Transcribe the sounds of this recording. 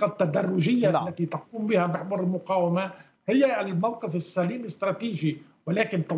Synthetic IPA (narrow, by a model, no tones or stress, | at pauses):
ɑt̪ːad̪arˤːʊʒɪjːaʔlːat̪it̪ɑq̚uːmbɪhabɪħbʊɾɪlmʊqɑːwɪma | hɪjːalmawqɪfɪsːaliːmɪst̪ɾˤɑːt̪iːʒi | wɪlaːkɪnt̪ɑ